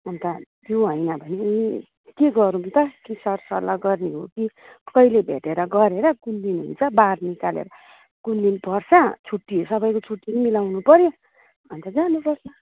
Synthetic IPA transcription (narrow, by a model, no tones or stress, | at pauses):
ʌnt̪at̪joɦʌjnʌbʱʌniui | keɡʌɾumt̪ʌkisʌrsʌlːaɡʌrniɦoki | kʌilebʱḛʈeɾʌɡʌɾeɾʌkulːinɦṵnt͡sʰʌbarnikalḛɾʌ | kulːinpʌrt͡sʰʌt͡sʰuʈːiɦosʌbʌjkot͡sʰuʈːinimilawnupʌɾjo | bʌnt̪ʌd͡zanupʌrt͡sʰʌ